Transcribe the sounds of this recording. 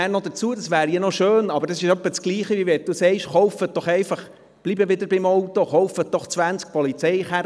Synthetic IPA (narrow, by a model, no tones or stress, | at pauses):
æːnɔd̪ət͡suədɑsʋæːɾjiənɔʃøːnɑb̥əɾdɑsɪʃœpːət͡skliːχəʋiʋɛt̚d̥usɛɪʃχɔʊfət̚d̥̪ɔχɛɪfɑχ | b̥libəʋɪdəɾbɪmɔwt̪ɔχɔwfət̪̚d̥̪ɔχt͡sʋænt͡sk̚pɔlit͡sɛɪχæ